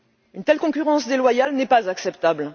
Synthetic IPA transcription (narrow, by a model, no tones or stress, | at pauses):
ynt̪ɛlkɔ̃kʲyʁɑ̃sd̪elwajalnɛpazaksɛpt̪abl